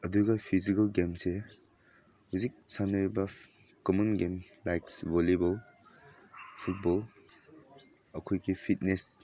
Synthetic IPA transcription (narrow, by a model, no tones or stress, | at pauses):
ɐduɡapʰizikɐlɡemse | huzik̚sanɐɾibɐ | kɔmɔnɡemlajksvolebɔl | pʰut̚bɔl | ɐkʰɔjɡipʰit̚nes